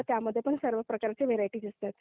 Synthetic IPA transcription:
t̪jaməd̪ʱːjepəɳsəɾʋəpɾəkaɾt͡seʋeɾaiʈiːd̪ist̪et̪

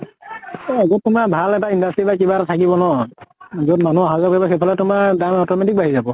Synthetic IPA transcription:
ɔaɡotːʊmabʱalɛtaindastibakibatatʰakibɔnɔ | zodmanuaɦazakbɔxepʰɔlɛtʊmaɹdamɔtɔmɛtik̚baɦizabɔ

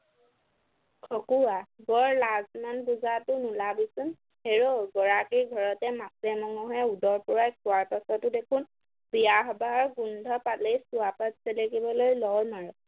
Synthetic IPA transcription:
kʰɔkuwaɡɔɹlazmanbuzatʊnulabisʊn | heɹoɡɔɹakiɹɡʱɔɹɔtɛmasɛmɔŋɔɦɔɛudɔɹpɔɹajk̚ʊwaɹkasɔtʊdekʰʊn | biaɦbaɦɔɹɡundʱɔpatlejsʊapatselekibɔlojlɔwnaɹɔ

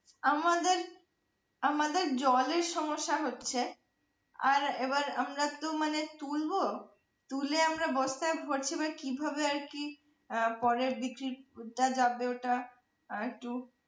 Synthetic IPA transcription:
amad̪eɾ | amad̪eɾd͡ʑɔleɾʃɔmoʃːaɦotːɕʰe | a̰ɾebaɾamɾat̪omanet̪ulbo | t̪uleamɾabɔst̪aebʱoɾt͡ɕʰibakibʱabeaɾki | pɔɾebikɾiʈad͡ʑabeoʈa | ek̚ʈu

